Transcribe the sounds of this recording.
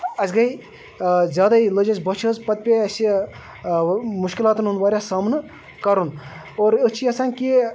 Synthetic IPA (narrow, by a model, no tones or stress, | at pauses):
ɐsɡɐi | zʲjaːd̪ailəd͡ʒɐzʲbɐt͡ʃʰɐzpɐt̪̚pʲeɐsi | muʃkilaːt̪nɦund̪ʋaːɾʲjasaːmnɨ | kɐɾun | oːɾət͡ʃʰiɐsaːnʲki